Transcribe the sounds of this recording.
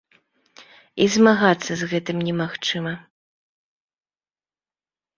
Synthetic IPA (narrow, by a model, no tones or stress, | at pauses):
izmaɣat̪sːɐzɣɛt̪ɨmnʲɛmaxt͡ʂɨmɐ